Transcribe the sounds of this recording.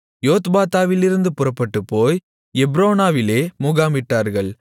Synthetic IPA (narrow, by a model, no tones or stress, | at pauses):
joːt̪baːt̪aːʋɪlɪɾɯnd̪ɯpʊrɐpːɐʈːɯpːoːj | ɛbɾoːnaːʋɪleːmʊɣaːmɪʈːaːɾɣɐɭ